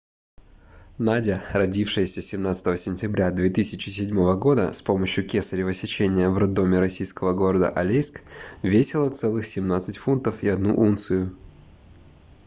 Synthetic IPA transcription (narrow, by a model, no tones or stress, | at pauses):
nadʲɪɾɐdʲifʂɨjəsʲəsʲɪmnat̪sɨ̥t̪əvəsʲɪnʲtʲɪbɾʲad̪vʲe̞t̪ɨsʲɪt͡ɕɪsʲɪdʲmo̞vəɡo̞d̪ə̰spo̞məɕjʊkʲesəɾʲɪvəsʲɪt͡ɕenʲɪjəvrɐd̪ːo̞mʲɪɾɐsʲijskəvəɡo̞ɾəd̪ə̰ʔɐlʲejskvʲesʲɪlˠət̪sɛlˠɨxsʲɪmnat̪sɨtʲfunt̪əfiɐd̪nṵʔunt̪sɨjʊ